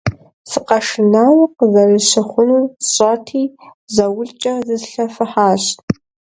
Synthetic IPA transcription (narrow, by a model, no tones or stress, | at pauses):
sɨqʼaʂɨnawaqʼzariɕʷɨχʷʊnurɕʷʼatʰiːzawʊɮt͡ʃʼɐzɨzɬɐfɨħaːɕtʼ